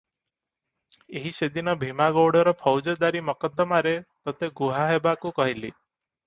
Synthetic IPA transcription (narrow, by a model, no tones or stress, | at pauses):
eɦised̪inɔbʱimaɡoɽɔɾɔpʰɔwd͡ʒɔd̪aɾimɔkɔd̪ːɔmaɾet̪ɔt̪eɡuɦaɦebakukɔɦilḭ